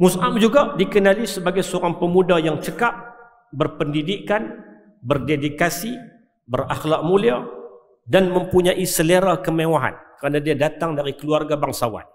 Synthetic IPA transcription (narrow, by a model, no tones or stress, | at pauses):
musamd͡ʒuɡadikənalisəbaɡajsəoɾaŋpəmudajaŋt͡ʃəkap̚ | bərpəndidikan | bərdedikasi | bəraxlak̚mulia | danmə̃mpuɲãʔisəleɾakəmẽwaɦa̰nkəɾanadiadat̪aŋdaɾikəluarɡabaŋsawa̰t̪̚